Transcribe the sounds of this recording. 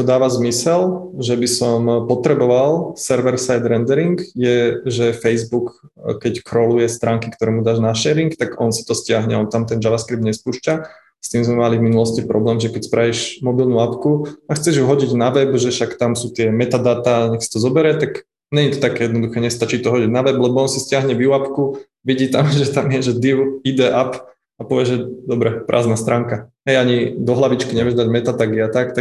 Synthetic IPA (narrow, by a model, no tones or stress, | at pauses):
t̪ɔd̪aːʋazmisɛlʒɛbisɔmpɔt̪ɾɛbɔʋalsɛɾʋɛɾsajd̪ɾɛnd̪ɛɾiŋɡjɛʒɛfɛjzbuk | kːɛckɾɔlujɛst̪ɾaːŋkikt̪ɔɾɛːmud̪aːʒnaʃɛːɾiŋkt̪aɡɔnsi̥t̪ɔscɪaɦɲɛɔnt̪amt̪ɛnd͡ʒaʋaskɾibd̪ɲɛspuːʃca | st̪iːmzmɛmalivminulɔscipɾɔblɛːmʒɛkɛcspɾʔajɛʒmɔbilnuapkuaxt͡sɛʒjuɦɔɟiɟnaʋɛbʒɛʃakt̪amsuːt̪ɪɛmɛt̪ad̪aːt̪aːɲɛksḁt̪ɔzɔbɛɾɛt̪aɡ | ɲɛɲit̪ɔt̪akɛjɛd̪nɔd̪uxɛːɲɛst̪at͡ʃiːt̪ɔɦɔɟiɟnaʋɛblɛbɔɔnsiscɪaɦɲɛʋiuapku | ʋiɟiːt̪amʒɛt̪amɪjɛʒɛd̪iʊid̪ɛʔap | apɔʋɪɛʒʒɛd̪ɔbɾɛpɾʔa̰ːznast̪ɾaːŋkaɦɛjaɲid̪ɔɦlaʋit͡ʃkiɲɛʋjɛʒd̪aɟmɛt̪at̪aɡiat̪ak̚t̪a